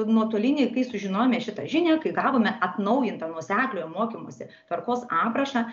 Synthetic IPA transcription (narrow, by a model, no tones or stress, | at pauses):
nuɔt̪uɔlʲɪnʲeːkɐɪsʊʒʲɪnoːjomʲɛʃʲɪt̪ɐ̰ʒʲɪnʲæːkɐɪɡɑːʋoːmʲɛʔɐt̪nɐʊjɪnt̪ɐnuɔsʲæːklʲoːjmoɔːkʲɪmuɔsʲɪt̪ʋɐrɾkoːsɑːpɾɐʃɑ